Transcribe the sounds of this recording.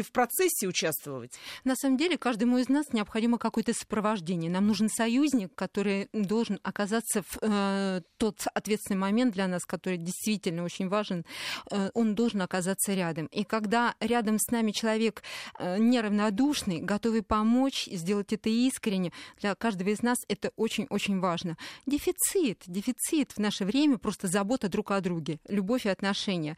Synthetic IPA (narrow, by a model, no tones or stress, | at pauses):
fpɾɐt̪sɛsʲːɪʊt͡ɕast̪və̰vətʲnɐsaməmdʲelʲɪkaʐd̪əmʊɪznasnʲɪɐpxɐdʲiməkɐko̞jət̪əsə̥pɾəvɐʐdʲenʲɪjənamnuʐɨnsɐjuzʲnʲɪkːɐt̪o̞ɾɨjd̪o̞lˠʐɨnɐkɐzat̪sːəf | t̪o̞t̪ɐt̪vʲet̪sʲɪnɨɪmɐmʲent̪̚d̪lʲɐnaskɐt̪o̞ɾɨjdʲɪjst̪vʲitʲɪlʲnəo̞t͡ɕɪnʲvaʐɨnʔo̞nd̪o̞lˠʐɨnɐkɐzat̪səɾʲad̪əmikɐɡd̪aɾʲad̪əmsnamʲɪt͡ɕɪlˠɐvʲe̞knʲɪɾəvnɐd̪uʂnɨjɡɐt̪o̞vɨpɐmo̞t͡ɕizʲdʲelˠətʲɛt̪əiskɾʲɪnʲːɪd̪̥lʲɐkaʐd̪əvəɪznasɛt̪əʔot͡ɕɪnʲo̞t͡ɕɪnʲvaʐnədʲɪfʲɪt̪sɨt̪dʲɪfʲɪt̪sɨt̪vnaʂəvɾʲemʲəpɾo̞st̪əzɐbo̞t̪əd̪ɾukɐd̪ɾuɡʲɪlʲʊbo̞fʲɪɐt̪nɐʂɛnʲɪjə